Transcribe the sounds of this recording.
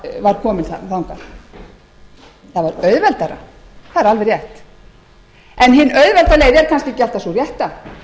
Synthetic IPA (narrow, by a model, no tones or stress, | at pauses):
vaɾ̥kʰɔːmɪθa̰lawŋkaɾ̥ | θavaɾœɥðvɛlt̪aɾa̰θaðɛɾalvɛrjɛht̪ | ɛnɦɪnːœɥðvɛlt̪aleːjðɛɾ̥kʰanscɪcɪal̥t̪asɔrjɛht̪a